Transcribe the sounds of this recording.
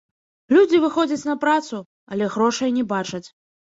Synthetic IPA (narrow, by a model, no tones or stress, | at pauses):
lʲud͡zʲivɨxɔd͡zʲɐt͡sʲnɐpɾat̪su | ɐ̰lʲɛɣɾɔʂɐjnʲɛbat͡ʂɐt͡sʲ